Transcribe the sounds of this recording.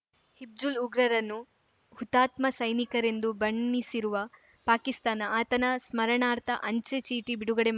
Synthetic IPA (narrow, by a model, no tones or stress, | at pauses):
hib̚d͡ʒuluɡɾɐɾɐnːu | hut̪aːt̪mɐsɐjnikɐɾe̞nd̪ubɐɳːisiɾuʋɐ | paːkist̪aːnɐaːt̪ɐnɐsmɐɾɐɳaːɾt̪ʰɐ̰ʔɐɲt͡ʃet͡ʃiːʈibiɽuɡɐɽem